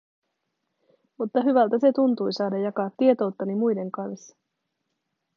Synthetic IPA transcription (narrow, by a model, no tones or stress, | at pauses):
mut̪ːɑɦyʋælt̪æse̞t̪unt̪ujsɑːdɑjɑkɑːt̪ːie̞t̪o̞wt̪ːɑnimujde̞ŋkɑns